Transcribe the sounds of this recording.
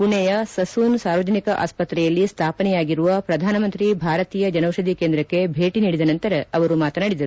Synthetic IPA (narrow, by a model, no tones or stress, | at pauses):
puɳɛjɐsɐsuːnsaːɾʋɐd͡ʒɐnikɐʔa̰ːspɐt̪ɾɛjɐlːist̪ʰaːpɐnɛjaːɡiɾuʋɐpɾɐd̪ʱaːnɐmɐnt̪ɾibʱaːɾɐt̪iːjɐd͡ʒɐnɐwʃɐd̪ʱikend̪ɾɐkːe̞bʱeːʈiniːɽid̪ɐnɐnt̪ɐɾɐɐʋɐɾumaːt̪ɐnaɽid̪ɐɾu